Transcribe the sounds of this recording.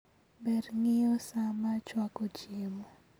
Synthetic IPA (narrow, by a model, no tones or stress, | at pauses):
bɛdŋɪɔsamat͡ʃwakot͡ʃimɔ